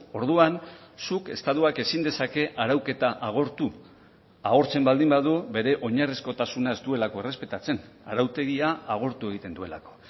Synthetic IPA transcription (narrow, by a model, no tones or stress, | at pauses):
o̞ɾðuansuke̞st̪aðuake̞sind̪e̞sake̞ʔaɾawke̞t̪aʔaɣ̞o̞ɾt̪u | aɣo̞ɾt͡se̞mbald̪imbaðube̞ɾe̞ʔo̞ɲarisko̞t̪asunae̞zt̪ue̞lako̞ere̞spe̞t̪at͡se̞n | aɾawt̪e̞ɣiaːɣ̞o̞ɾt̪ue̞ɣit̪e̞nd̪ue̞la̰ko̞̥